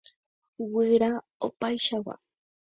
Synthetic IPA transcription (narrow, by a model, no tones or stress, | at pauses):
wɪɾa | opajʃawa̰